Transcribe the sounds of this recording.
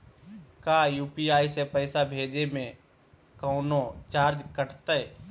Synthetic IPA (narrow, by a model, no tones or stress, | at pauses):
kaːjuːpiaːisepəɪsabʱeːd͡ʒemẽ | kɔːnot͡ʃaːɾd͡ʒkəʈʰt̪əe